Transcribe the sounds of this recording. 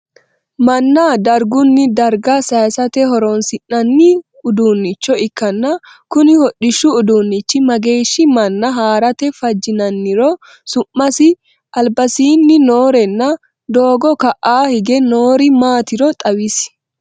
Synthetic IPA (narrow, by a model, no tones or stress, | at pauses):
mɐnːad̪ɐɾɡʊnːɪd̪ɐɾɡɐsɐjsɐt̪ɛɦɔɾɔnsɪnːɐnːɪ | ʊd̪uːnːɪt͡ʃːɔɪkːɐnːɐ | kʊnɪhɔɗɪʃːʊʊd̪uːnːɪt͡ʃːɪmɐɡe̞ːʃːɪmɐnːɐɦaːɾɐt̪ɛfɐd͡ʒːɪnɐnːɪɾɔ | sʊmːɐsɪ | ʔɐlbɐsiːnːɪno̞ːɾɛnːɐ | d̪o̞ːɡɔkɐʔaːhɪɡɛnoːɾɪmaːt̪ɪɾɔt̪ʼɐwɪs